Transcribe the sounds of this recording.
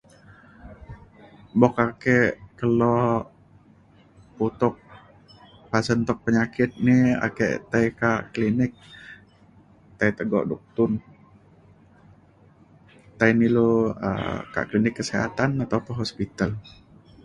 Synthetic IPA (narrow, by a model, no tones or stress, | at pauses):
bɔkakɛʔkəlɔ | put̪ʊk̚ | pasənt̪ɔk̚pəɲakɪt̪̚nɪa̰kɛ̰ʔt̪ajkaʔklinɪk̚ | t̪ait̪əɡɔ̰ʔduk̚t̪ʊn | t̪ainiloə̰ka̰ʔklinɪkːəseɦa̰t̪anat̪awpəɦospit̪al